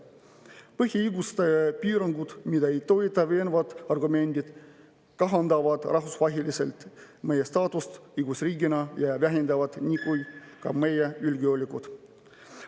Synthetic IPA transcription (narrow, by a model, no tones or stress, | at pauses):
pɤɦʲjiiɡust̪ɑpiːɾɑŋɡud̪̥mid̪̥ɑe̞jt̪o̞jit̪ːˑɑve̞ːnvɑt̪ɑrɡume̞nʲd̪̥id̪̥ | kɑɦɑnd̪ɑvɑd̪̥rʔɑɦvusvɑɦilisḛlt̪ | me̞jest̪ɑːt̪ust̪ɯjɡ̥usriːɡinɑjɑvæɦind̪ɑvɑd̪̥nʲikujkɑme̞jeylɡiolʲikut̪